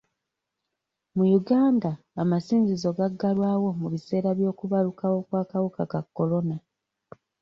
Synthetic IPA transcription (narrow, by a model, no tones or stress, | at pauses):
mujuɡaːndaːmasiːnzizo̞ɡaɡːalwaːwo̞muβise̞ːɾaβjo̞ːkuβalukawo̞kwaːkawukakakːo̞lo̞na